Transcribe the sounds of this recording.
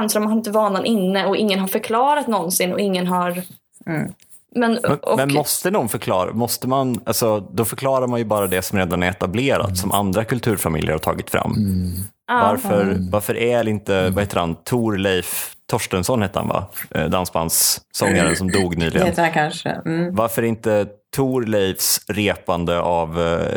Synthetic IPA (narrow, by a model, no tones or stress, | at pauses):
nsɾɔmanhaɾɪnt̪əvɑːnanʔɪnːəɔʔɪ̰ŋːənɦaɾfœɾkʰlɑːɾat̪nɔnsɪnːɔ̰ɪŋːənɦaɾ | mɛnmɔmɛnmɔst̪ənuɡ̪fœɾkʰlɑːɾa̰mɔst̪əmanalsɔd̪ɔfœɾklɑːɾaɾmanjɵbɑːɾad̪ɛsɔmɾeːd̪anæɾɛt̪ableːɾa̰t̪sɔmʔa̰nd̪ɾakʰɵlt̪ʰʉ̟ːɾfamɪ̰ljəɾhaʈʰɑ̰ːɡɪt̪fɾa̰mː | vaɾfœɾvaɾfœɾʔæɾɛlɪnt̪əvaheːt̪əɾhant̪ʰuːɾlɛjft̪ʰɔʂʈənsɔnheːt̪əɾha̰nva̰d̪ansba̰nsːɔŋːaɾənsɔmd̪uːɡnyːlɪɡəkanʂə̰vaɾfœɾɛɾɪnt̪ət̪ʰuːɾlɛjfsɾeːpand̪əʔav